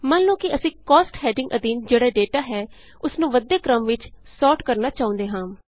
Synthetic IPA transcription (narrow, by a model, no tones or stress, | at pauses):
mənlõːkɪəsĩːkɔːsʈhɛːɖɪ̃ŋɡʔəd̪iːnd͡ʒeːɽaːɖeːʈaːɦɛː | ʊsnũːʋəd̪eːkɾəmʋɪt͡ʃsɔːʈkəɾnaːt͡ʃaːʊ̃nd̪eːɦãː